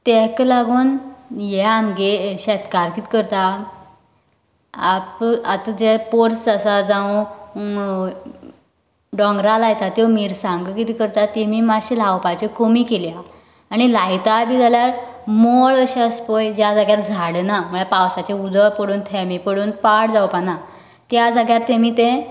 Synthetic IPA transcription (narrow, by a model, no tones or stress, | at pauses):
t̪ɛklaɡuːnjɛamɡeɕɛt̪kaɾkiːt̪ʰkəɾt̪a | pat̪d͡ʑɛpoɾt͡səsad͡zã | ɖɔ̃ŋɡɾalajt̪at̪jɔmiːɾsãŋɡkit̪ikəɾt̪at̪emiːmaɕilawpajt͡ɕekomikelja | aɽ̃ilajt̪abiːd͡zaljaɾmɔɭəɕeəspojd͡ʑjad͡zaɡjaɾd͡zʱaɽnaməɭepawsat͡ɕeud̪əpəɽuːnt̪ʰɛmipəɽuːnpaɽd͡zawpana | t̪jad͡zaɡjaɾt̪emiːt̪ẽ